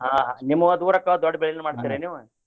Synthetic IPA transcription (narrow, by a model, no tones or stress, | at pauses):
ɦaːɦanimːuɐd̪uːɾɐkɐd̪ɔɖːɐbeɭinːumaːɖit̪ːiːɾeniːʋu